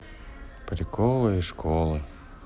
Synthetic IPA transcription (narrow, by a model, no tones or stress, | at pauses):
pɾʲɪkolˠɨiʂkʰolˠɨ